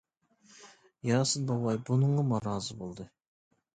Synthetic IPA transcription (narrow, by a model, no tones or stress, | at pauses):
jɑsənbɑwɑjbʊnəɴɑmɑɾɑzəbolˠd̪ə